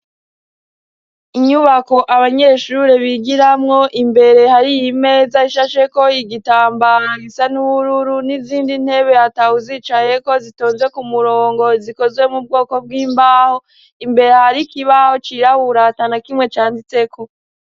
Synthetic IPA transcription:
iɲuβako̞ʔaβaɲe̞ʃuɾeβiɡiɾamŋo̞ʔimbe̞ɾe̞haɾijime̞ːzaiʃaʃe̞ko̞iɡitaːmbaɾaɡisanuβuɾuɾuniziːndin̥he̞βe̞hatahuziːt͡ʃaje̞ko̞zito̞ːnzwe̞kumuɾo̞ːŋɡo̞ziko̞zwe̞mub̚ɡo̞ːko̞b̚ɡiːmbaho̞ | imbe̞ɾe̞haɾikiβaho̞t͡ʃiɾahuɾatanakimŋe̞t͡ʃaːndit͡se̞kʰo̞

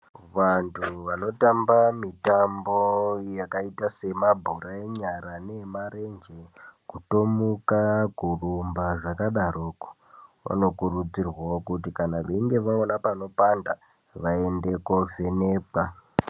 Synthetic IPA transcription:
ʋantʰuʋano̞tambamitambojakaitase̞mabʱuɾaeɲaɾane̞maɾe̞nd͡ʒekuto̞mukakurumbaʐakaɗaroːko̥ | ʋa̰no̞kurud͡zirwaokutikanaʋeiŋɡe̞ʋaonapano̞panda̰ | ʋae̞nde̞ko̞veneːpa

